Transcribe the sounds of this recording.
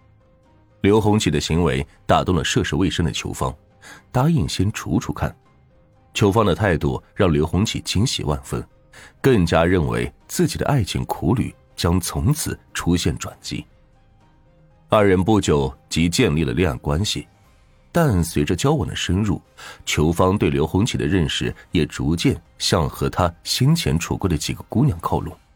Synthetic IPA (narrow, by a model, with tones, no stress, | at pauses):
ljo˧˥ʊxʊ˧˥ŋt͡ɕʰi˨˩d̪ə˦ɕi˧˥ŋwe˧˥ɪt̪a˨˩t̪ʊ˥˩ŋlə˩ʂɤ˥˧ʂo˧˥we˥˩ɪʂə˥ŋd̪ə̰˨t͡ɕʰjo̰˧˥ʊfɑ̰˥ŋ | t̪a˥i˥˩ŋɕjɛ˥nʈ͡ʂʰṵ˧˥ʈ͡ʂʰu˧˥kʰa̰˥˩n | t͡ɕʰjo˧˥ʊfɑ˥ŋd̪ə˨t̪ʰa˥˧ɪt̪u˥˧˩ɻɑ˥˩ŋljo˧˥ʊxʊ˧˥ŋt͡ɕʰḭ˨˩t͡ɕi˧˥nɕḭ˨˩wa̰˥˩nfə̰˥n | kɤ˥˩ŋt͡ɕja˥ɻə˥˩nwḛ˧˥ɪt͡sɹ̩˥˩t͡ɕi˨˩d̪ə̰˦ʔa˥˩ɪt͡ɕʰi˧˥ŋkʰu˧˥ly̰˨˩ | t͡ɕjɑ˥ŋt͡sʰʊ˧˥ŋt͡sʰɹ̩˨˩˦ʈ͡ʂʰu˥ɕjɛ˥˩nʈ͡ʂwa̰˨˩nt͡ɕḭ˧˥ | a˞˥˩ɻə˧˥npu˥˩t͡ɕjo˨˩ʊt͡ɕi˧˥t͡ɕjɛ˥˧nli˥˩lə̰˩ljɑ˥˩ŋkwa˥nɕḭ˨˩ | t̪a˥˩nswe˧˥ɪʈ͡ʂə˧t͡ɕjɑ˥ʊwɔ˨˩nd̪ə̰˦ʂə˥nɻṵ˥˩ | t͡ɕʰjo˧˥ʊfɑ˥ŋt̪we˥˩ɪljo˧˥ʊxʊ˧˥ŋt͡ɕʰi˨˩d̪ə˦ɻə˥˩nʂɻ̩˨˩jɛ˨˩ʈ͡ʂu˧˥t͡ɕjɛ˥˧n | ɕjɑ˥˧ŋxɤ˧˥t̪ʰa˥ɕi˥nt͡ɕʰjɛ˧˥nʈ͡ʂʰṵ˨˩kwə˥˩d̪ə˩t͡ɕḭ˨˩ɡə˦ku˥njɑ˨˩nkʰɑ˥˧ʊlu˥˩